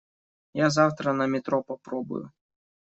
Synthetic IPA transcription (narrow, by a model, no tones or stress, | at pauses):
jazawt̪ɾɐnɐmʲɪt̪ɾɔpɐpɾɔbʊ̰jʊ̰